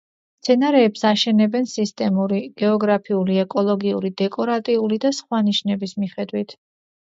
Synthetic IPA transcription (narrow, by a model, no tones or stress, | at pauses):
st̪sʰɛnaɾɛːpsaʃɛnɛbɛnsist̪ʼɛmuɾiɡ̥ɛɔɡɾapʰiuliɛkʼɔlˠɔɡiṵɾid̪ɛkʼɔɾat̪ʼiulid̪asχwaniʃnɛbismiχɛd̪wit̪ʰ